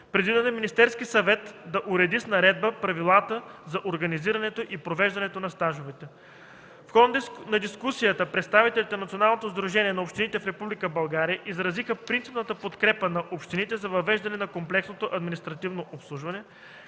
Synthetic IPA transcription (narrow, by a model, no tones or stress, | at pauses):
pɾɛd̪vid̪ɛnɛminʲist̪ɛɾskisɐvɛt̪d̪ɐʔuɾɛd̪isnɐɾɛd̪̚bəpɾɐvilˠat̪əzɐʔoɾɡɐniziɾɐnɛt̪oʔipɾovɛʒd̪ɐnɛt̪onɐst̪aʒovɛt̪ɛ | fxɔd̪d̪nɐd̪iskusijət̪əpɾɛt̪st̪avit̪ɛlʲit̪ɛnnɐt̪sionalˠnot̪ozd̪ɾuʒɛniɛnɐopʃt̪init̪ɛfɾɛpublikəbɐlˠɡaɾijəʔizɾɐzixəpɾint̪sipnət̪əpot̪kɾɛpənɐʔopʃt̪init̪ɛzɐvɐvɛʒd̪ɐnɛnɐkomplɛksnot̪oʔɐd̪minist̪ɾɐt̪ivnoʔopslˠuʒvɐnɛ